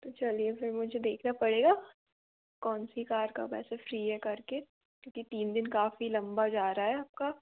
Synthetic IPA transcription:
t̪ot͡ʃɐliefɪɾmʊd͡ʒʱed̪eːkʰnapɐɽeːɡaː | kɔːnsikaːɾka̰pɛ̰ːsafɾiːɦɛkɐɾke | kjõːkit̪iːnd̪ɪnkaːfilɐ̃mbad͡ʒaːɾaaɦɛaːp̚ka

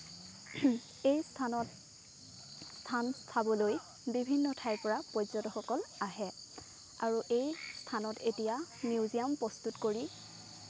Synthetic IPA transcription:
ej | stʰanstʰabɔloj | bibʱinːɔtʰajpɔɹapɔjzɔtɔxɔkɔlaɦɛ | a̰ɹuʔejstʰanɔtetijamiuzijampɹɔstutkoɹi

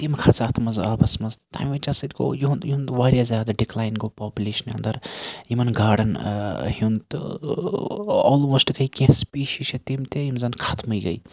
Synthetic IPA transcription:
t̪imkʰɐt͡saːt̪ʰmɐzaːbɐsmɐzt̪a̰jmʋet͡ʃasɨt̪ko̰juunjiunʋaːɾjazʲjaːd̪ɐɖiklaːjnɡoːpaːpʲjuleːʃɐnɐnd̪ɐɾimɐnɡaːɽɐnhunt̪ɨ̰ | ɔːlmoːsʈɡɐikʲẽspiːʃiʃʰɐt̪imt̪eimzɐnkʰɐt̪ʰmɨjɡɐ̰j

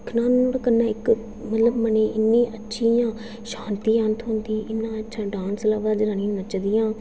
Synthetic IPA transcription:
kʰnaːnːoːɽaːkənːãːɪk | mət̪ləbməneːʔɪnːiːʔətːʃʰijãː | ʃaːnt̪iːənt̪ʰɦʊ̃ːnd̪iːʔɪnːãːətːʃʰãːɖãːnslaːʋaːd͡ʒɾəɳĩːnət͡ʃd̪ijãː

